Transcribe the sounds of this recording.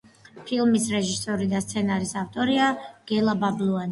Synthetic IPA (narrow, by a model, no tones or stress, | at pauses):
pʰilˠmisɾɛʒisɔɾid̪ast̪sʰɛnaɾisaft̪ʼɔɾiaɡ̥ɛlˠabablˠuani